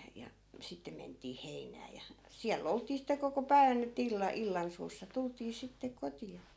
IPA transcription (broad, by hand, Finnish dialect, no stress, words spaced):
jɑ sitːe mentˑiː heinˑæː jɑ siælː oltˑiː sitːe koko pæi̯ʋæn etːæ̆ ilːɑ ilːɑnsuːsːɑ tultˑiː sitːe kotiɑ